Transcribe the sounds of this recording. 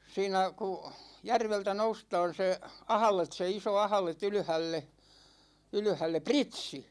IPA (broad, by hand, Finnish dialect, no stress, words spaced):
siːnæ ku jærʋeltæ noustɑːn̞ se ɑhɑ̆let se iso ɑhɑ̆let yly̆hælːe yly̆hælːe pritsi